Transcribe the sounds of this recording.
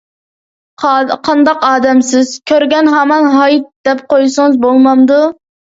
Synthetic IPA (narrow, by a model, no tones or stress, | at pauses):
qʰɑnd̪ɑqɑːd̪ɛmsɪz̥kʲʰøɾɡʲɛnɦɛmɑnɦɑjt̪̚d̪̥ɛp̚qojsɨŋɨzbolˠmɑmd̪u